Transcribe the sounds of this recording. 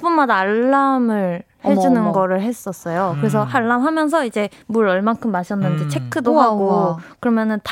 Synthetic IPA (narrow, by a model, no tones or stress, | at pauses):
p͈unmadaːɭːamɯɭ | he̞d͡ʑunɯnɡʌɾɯɭɦe̞s͈ʌs͈ʌjokɯɾe̞s̬ʰʌhaɭːamɦamjʌns̬ʰʌid͡ʑe̞ | muɾʌɭmankʰɯmːaɕʰjʌnːɯnd͡ʑit͡ɕʰe̞kʰːɯdoɦaɡokɯɾʌmjʌnɯnt